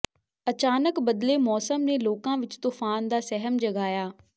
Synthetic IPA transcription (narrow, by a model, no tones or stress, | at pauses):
ət͡ʃaːnəkbəd̪leːmɔːsəmneːloːkãːʋɪt͡ʃt̪uːfʰaːnd̪aːsɛɦəmd͡ʒəɡaːjaː